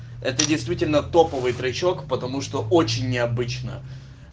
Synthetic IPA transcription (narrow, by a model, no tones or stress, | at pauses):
ɛ̰t̪ədʲɪjst̪vʲitʲɪlʲnət̪o̞pəvɨjt̪ɾɐt͡ɕo̞kpət̪ɐmuʂt̪o̞ʔot͡ɕɪnʲːɪɐbɨt͡ɕnə̰